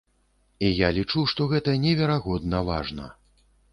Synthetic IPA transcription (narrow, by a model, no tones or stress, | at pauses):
ijalʲit͡ʂuʂt̪ɔɣɛt̪ɐnʲɛvʲɛɾaɣɔd̪nɐva̰ʐnɐ̰